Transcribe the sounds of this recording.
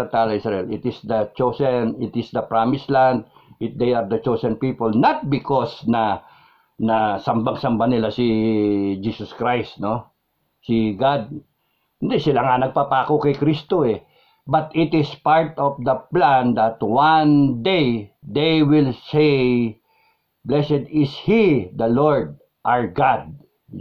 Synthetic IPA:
ɐt̪alɐisɹɐʔɛlɪt̪ɪsd̪ɐt͡ʃosɛnɪt̪ɪsd̪ɐpɹamɪslãnd̪̚ | ɪd̪ejaɹd̪ɐt͡ʃosɛ̃npiːpolnat̪̚bɪkosnɐ | nɐsɐmbaŋsɐmbanɪlasɪ | d͡ʒiːsoskɹajst̪no | sɪɡad̪̚ | hɪnd̪ɛsɪlaŋanɐɡ̚papaːkokɛjkɾist̪oɛ | bɐt̪ɪt̪ɪspaɹt̪ɔfd̪ɐplãnd̪ɐt̪wand̪ejd̪ejwɪlsej | blɛsɛd̪ɪshid̪ɐloɹd̪̚ | ʔaɹɡad̪̚

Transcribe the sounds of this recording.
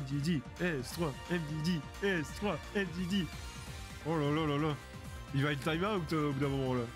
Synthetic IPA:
md̪id̪iɛst̪waɛmd̪id̪i | ɛse̥t̪waɛmd̪id̪i | ɔlalalala | ivaɛt̪t̪ajmãobut̪øobud̪ãmɔmɑ̃la

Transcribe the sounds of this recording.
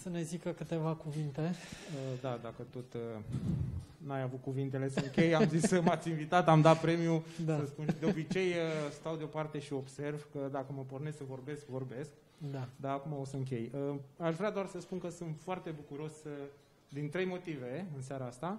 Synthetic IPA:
səne̞zikəkɨt̪e̞vakuvint̪eəd̪ad̪akət̪o̞t̪ | najavut̪̚kuvint̪e̞le̞səɨŋkʲe̞jamzisəmat̪sʲinvit̪at̪amd̪at̪̚pɾe̞miud̪asəspunʃid̪eo̞bit͡ʃe̞jəst̪awd̪eo̞part̪e̞ʃio̞bse̞rvkəd̪akəməporne̞ssəvo̞rbe̞skvo̞rbe̞sk̚ | d̪ad̪aːkumao̞səɨŋk̬ʲe̞jəaʃvɾead̪oarsəspunkəsunt̪foart̪e̞bukuɾo̞sə | d̪int̪ɾe̞jmo̞t̪ive̞ɨnsaɾaast̪a

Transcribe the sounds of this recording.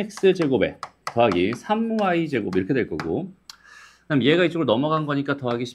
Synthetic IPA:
ek̚s͈ɯd͡ʑe̞ɡobe̞̰tʌɦaɡisʰamːuaid͡ʑe̞ɡobiɾʌkʰe̞dwe̞ɭk͈ʌɡo | kɯnamje̞ɡait͡ɕ͈oŋɯɭnʌmʌɡanɡʌɲik͈atʌɦaɡiɕʰi̥

